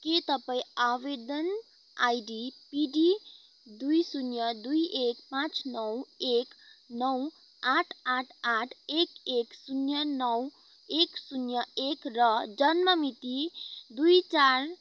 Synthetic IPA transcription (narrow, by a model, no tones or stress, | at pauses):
ket̪ʌpajaʋed̪ən | ajɖipiɖi | d̪ujsunjʌd̪ujekpãt͡snʌweknʌw | aʈʰaʈʰaʈʰekeksunjʌnʌw | eksunjʌekɾʌd͡ʒʌnmʌmit̪id̪ujt͡ʃaɾ